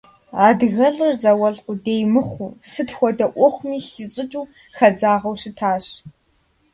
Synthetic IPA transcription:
aːdɣɐɮɨrzɐwɐɮqʷʊdeːjmɨχʷuːsɨtxʷɔdɐʔʷɔχʷmiːxɪɕʼɨt͡ʃʼuː | xɐzaːʁɐwɕɪtʰaːɕ

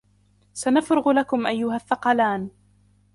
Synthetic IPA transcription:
sanafɾʊɣlakʊmʔajːʊɦaθːɑqɑlaːn

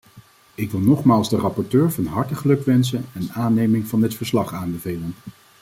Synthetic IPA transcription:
ɪkʋɪlˠnɔχmaːlˠzdərɑpɔɹtøːɹvɑnɦɑɹtəχəlɵkʋɛnsənɛnaːnejmɪŋvɑndɪtfəɹslɑχaːnbəvejlən

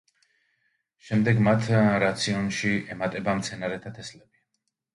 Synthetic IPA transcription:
ʃɛmd̪ɛɡmat̪ʰɾat̪sʰiɔnʃiɛmat̪ʼɛbamt̪sʰɛnaɾɛt̪ʰat̪ʰɛslɛbi

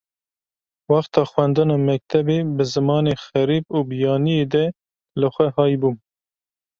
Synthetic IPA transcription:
wɑxt̪ɑːxwɛnd̪ɨnɑːmɛk̚t̪ʰɛbeːbɨzɨmɑːneːxɛɾiːb̚uːbijɑːnijeːd̪ɛ | lɨxʷɛhɑːjbuː

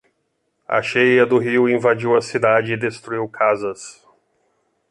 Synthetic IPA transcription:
a̰ʃejɐd̪ʊɦiwĩvad͡ʒiwɐsid̪ad͡ʒɪːd̪est̪ɾuiwkʰazɐs

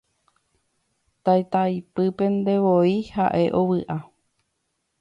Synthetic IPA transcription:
t̪ajt̪ajpɨpe̞nd̪e̞ʋoihaʔe̞ʔowɨʔa

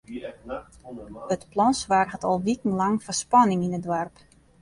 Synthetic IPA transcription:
ətplɔnsʋarɣətɔlˠʋikn̩laŋfərspanɪŋinədwarp

